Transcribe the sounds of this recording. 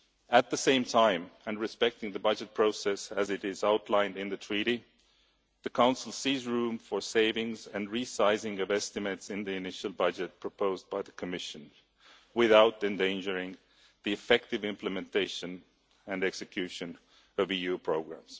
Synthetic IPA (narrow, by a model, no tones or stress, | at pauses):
ɨt̪̚ðɨsẽɪ̃mtʰãɪ̃mɨ̃nɹɨspɛk̚tɪ̃ŋðɨbʌd͡ʒɨt̚pʰɹ̥oʊsɛsɨzɨɾɪzaʊtʰˡlãɪ̃ndɨ̃nðɨtʰɹ̥iɾi | ðɨkʰãʊ̃nsl̩ˠsizɹũɱfə˞seɪvɪ̃ŋzɨ̃nɹisaɪzɪ̃ŋʌvɛstɨmɨtsɨ̃nðiɨnɪʃl̩ˠbʌd͡ʒɨt̚pʰɹ̥əpʰoʊzbaɪðɨkʰɨmɪʃɨ̃n | wɪðaʊɾɨ̃ndẽɪ̃nd͡ʒə˞ɪ̃ŋ | ðiɨfɛk̚tɨvɪ̃mplɨmɨ̃ntʰeɪʃɨ̃n | ɨ̃nɛksɨkʰj̥ʉʃɨ̃n | ʌvijʉpʰɹ̥oʊɡɹæ̰̃mz̥